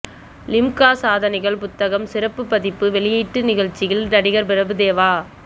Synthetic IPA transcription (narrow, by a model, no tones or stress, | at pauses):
lɪmkaːsaːðɐnɪɣɐɭpʊt̪ːɐɣɐmsɪɾɐpːɯpːɐðɪpːɯʋɛɭɪjiːʈːɯnɪɣɐɻt͡ʃːɪɣɪlnɐɽɪɣɐɾpɪɾɐbɯd̪eːʋaː